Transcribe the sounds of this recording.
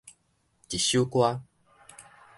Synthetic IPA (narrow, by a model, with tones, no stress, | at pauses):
t͡ɕi˨ɕju˦kwa˦